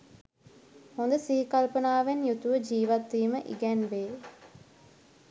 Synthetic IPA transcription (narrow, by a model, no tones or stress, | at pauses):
ond̪ɐsiːkɐlpɐnaːʋenjut̪ːuʋɐd͡ʒiːʋɐt̪ːiːmɐʔɪ̰ɡɐnʋeː